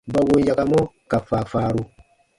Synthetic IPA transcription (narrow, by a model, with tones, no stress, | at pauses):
ba˨wo˦ja˨ka˨mɔ˦ | ka˨faː˨faː˨ɾu˦